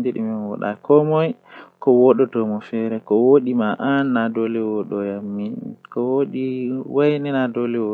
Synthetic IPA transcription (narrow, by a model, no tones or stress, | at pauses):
deɗḭminwɔ̰ɗa̰kʰɔmɔjkɔwɔɗɔtɔmɔfɛɾɛkɔwoɗimaʔanːadolɛwɔɗɔjamːikɔwoɗiwajnɛnadolɛwɔ